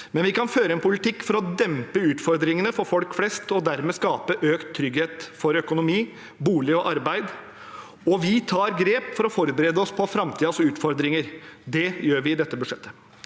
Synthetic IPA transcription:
mɛnʋɪkɑnføːɾəɛnpʊlɪt̪ʰɪkːfɔɾɔd̪ɛmpəʉːt̪fɔɾd̪ɾɪŋənəfɔɾfɔlkflɛst̪ɔd̪æɾmɛskɑːpəʔøːkt̪ʰːɾʏɡheːt̪fɔɾœkʊnʊmiː | buːlɪɔʔɑɾbæɪd̪ | ɔʋɪt̪ʰɑːɾɡɾeːpfɔɾɔfɔɾbəɾeːd̪əɔspʰɔfɾɑmt̪ʰiːəsʉːt̪fɔɾd̪ɾɪŋəɾd̪ɛjøːɾʋɪɪd̪ɛt̪ːəbʉʂɛt̪ʰːə

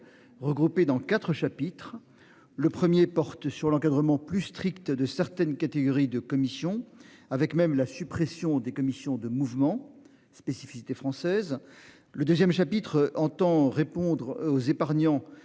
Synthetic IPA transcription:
ʁəɡʁuped̪ɑ̃kat̪χəʃapit̪χ | ləpχəmjepɔʁt̪syʁlɑ̃kad̪ʁəmɑ̃plyst̪χikt̪d̪əsɛʁt̪ɛnkat̪eɡɔʁid̪əkɔmisjɔ̃avɛkmɛmlasypχesjɔ̃d̪ekɔmisjɔ̃d̪əmuvmɑ̃ | spesifi̥si̥t̪efχɑ̃sɛz | ləd̪øzjɛmʃapit̪χɑ̃t̪ɑ̃ʁepɔ̃d̪ʁozepaʁɲɑ̃

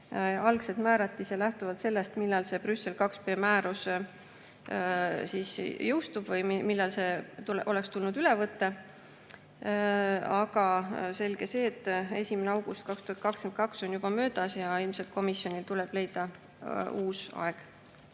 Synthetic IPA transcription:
ɑlkse̞t̪mæːɾɑt̪ːˑisjɑlæht̪uvɑt̪se̞lːe̞st̪milːɑlse̞brysːe̞lkɑkspe̞ːmæːɾus | sisjɤwst̪ub̥vɤjmilːɑlse̞t̪ulʔo̞le̞kst̪ulnud̪ylevɤt̪ːe̞ | ɑɡɑse̞lɡ̥e̞se̞ːt̪ːe̞sʲimeneɑwɡ̥ust̪̚kɑkst̪uhɑt̪̚kɑkskenkɑkso̞njub̥ɑmø̞ːd̪̥ɑsjɑilmselt̪̚ko̞misːjo̞nilt̪uleb̥le̞jd̪̥ɑ | uːsɑ̰e̞ɡ̥

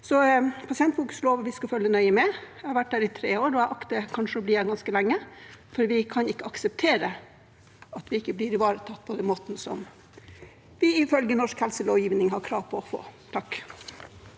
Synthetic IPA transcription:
sɔpʰɑsɪɛnt̪fuːkʉ̥sloːʋəʋɪskɑfœlːənœʏəmɛæhɑɾʋæʈ̚dæːɾɪt̪ʰɾeːoːɾɔæɪʔɑkt̪əkʰɑnʂəɔbliːæɡɑnskəlæŋːəfɔɾʋɪkʰɑnɪkːəɑksəp̚t̪ʰeːɾə | ɑt̪ʋɪɪkːəblɪːɾɪʋɑːɾət̪ʰɑt̪ːpʰɔd̪ɛnmoːt̪n̩sɔ̰m | ʋɪɪfœlɡənɔʂkhɛlsəloːʋjiːʋnɪŋɦɑɾkʰɾɑːʋpʰɔɔfo̰ːt̪ʰɑk

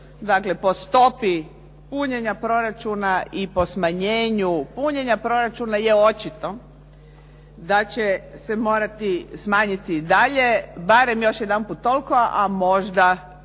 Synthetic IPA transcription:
d̪akle̞po̞st̪o̞pi | puɲeɲapɾo̞ɾat͡ʃunaipo̞smaɲeːɲupuɲe̞ɲapɾo̞ɾat͡ʃunaje̞ot͡ʃit̪o̞ | d̪at͡ɕesemo̞ːɾat̪ismaːɲit̪id̪aʎe̞baɾe̞mjo̞ʃjed̪anpuːt̪ːo̞lˠkoʔamo̞ʒd̪a

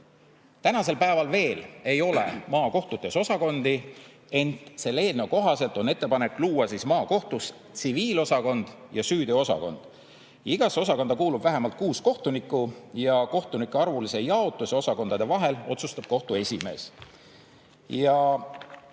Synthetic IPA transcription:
t̪ænɑse̞lpæevɑlve̞ːle̞jo̞le̞̰mɑːko̞ht̪ut̪ːe̞so̞sɑko̞nd̪̥i | e̞nt̪se̞lːeːlnewko̞ɦɑse̞lt̪ˑo̞ne̞t̪ːe̞pɑne̞kːˑluːwɑsiːsmɑːko̞ht̪us | t̪siviːlo̞sɑko̞nd̪̥ | jɑsyːd̪̥io̞sɑ̰ko̞̰nd̪̥ | iɡ̥ɑso̞sɑko̞nd̪ɑkuːlub̥væɦemɑlt̪̚kuːsko̞ht̪unikːˑujɑko̞ht̪unikːˑeɑrvulise̞jɑot̪ːˑuseo̞sɑko̞nd̪̥ɑd̪e̞vɑɦe̞lo̞̰t̪sust̪ɑb̥̚ko̞ht̪ue̞sʲime̞̰ːs | jɑ

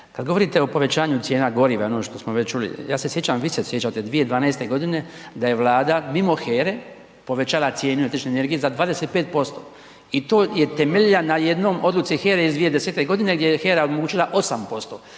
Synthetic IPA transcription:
kad̪ɡo̞ʋo̞ɾit̪eo̞po̞ʋe̞t͡ɕaːɲut̪sjeːnaɡo̞ɾiʋaonoʃt̪o̞smo̞ʋet͡ʃulḭjaːse̞sje̞t͡ɕamʋisesjet͡ɕat̪e̞d̪ʋied̪ʋaːnaest̪e̞ɡo̞d̪ine̞d̪aje̞ʋlaːd̪amimo̞xeːɾe | po̞ʋe̞t͡ɕaːlat̪sjeːnuet̪ɾit͡ʃneːne̞ɾɡijezad̪ʋaːd̪ese̞t̪̚pe̞ːt̪̚po̞st̪o | it̪o̞ːje̞t̪emeʎʎanajed̪no̞ːmʔo̞d̪lut̪sixeːɾeizd̪ʋije̞d̪eseːt̪e̞ɡo̞d̪ine̞ɡd̪jejexeːɾaomoɡuːt͡ʃilˠaʔo̞sampo̞st̪o

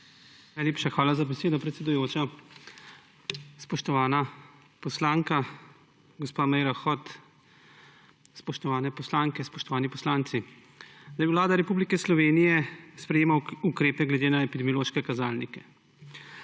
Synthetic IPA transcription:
najlʲeːpʃaxʋaːlazabɛseːd̪ɔpɾɛt̪sɛd̪ujoːt͡ʃa | spɔʃt̪ɔʋaːna | pɔslaːŋka | ɡɔspaːmɛjɾaxɔt̪ | spɔʃt̪ɔʋaːnɛpɔslaːŋkɛspɔʃt̪ɔʋaːnipɔslaːnt̪si | d̪ajiwlaːd̪aɾɛpublikɛslɔʋeːnijɛspɾɛjeːmaukɾeːpɛɡlɛd̪eːnaɛpid̪ɛmijɔloːʃkɛkazaːlnikɛ̥

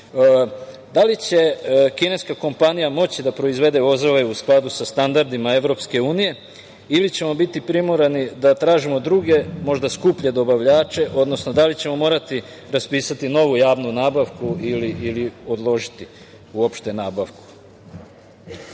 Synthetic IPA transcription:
d̪alit͡ɕe̞kine̞skako̞mpanijamo̞t͡ɕid̪apɾo̞izʋe̞d̪e̞o̞zoʋe̞usklˠad̪usast̪and̪aɾd̪imae̞ʋɾo̞pske̞uːnije̞ | ilit͡ɕe̞mo̞bit̪ipɾimoɾenid̪at̪ɾaːʒimo̞d̪ɾuɡe̞mo̞ʒd̪askupʎed̪o̞baʋʎaːt͡ʃe̞ʔo̞d̪nosno̞d̪alit͡ɕe̞mo̞mo̞ːɾat̪i | ɾaspiːsat̪ino̞ʋujaːʋnunaːbaʋkuiliʔːlio̞d̪lˠo̞ʒit̪i | uo̞pʃt̪e̞naːbaʋku̥

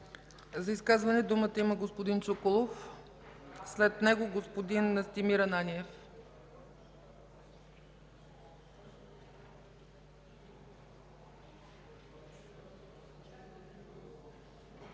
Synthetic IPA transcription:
zɐiskazvɐnɛd̪umət̪əiməɡospod̪int͡ʃokolˠof | slɛt̪nɛɡoɡospod̪inəst̪imiɾənaniɛf

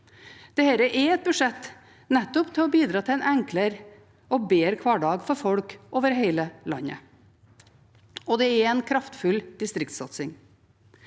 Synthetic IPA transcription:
d̪̥ɛhɛɾəʔɛɛt̪̚bʉʂɛt̪ː | nɛt̪ːɔpt̪ʰɪlɔbiːd̪ɾɑːt̪ʰɪɛnʔɛŋkləɾ | ɔbeːɾkʰʋɑːɖɑːɡfɔɾfɔɽkʔoːʋəɾɦeɪləlɑ̰nːə̰ | ɔd̪ɛɛɾɛɪnkʰɾɑft̪fʉld̪̥ɪst̪ɾɪkt̪sɑt̪sɪŋ

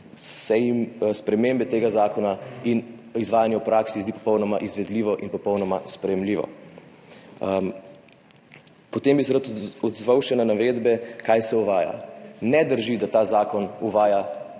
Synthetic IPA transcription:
sɛimspɾɛmembɛt̪eːɡazaːkɔnainizʋaːjanjɛupɾaksizd̪ipɔ̥pɔwnɔmaʔizʋɛd̪liːʋɔʔinpɔpɔwnɔmaspɾɛjɛmliːʋɔ̰ | pɔt̪eːmbisɛɾat̪ɔd̪zʋawʃɛnanaʋeːd̪bɛkajsɛuʋaːja̰nɛd̪əɾʒid̪at̪aːzaːkɔnuʋaːja

